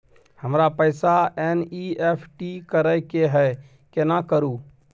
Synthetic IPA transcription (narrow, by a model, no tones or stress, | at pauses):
həmɾapəɪsaeniepʰʈikəɾəkeɦɛ | kenakəɾu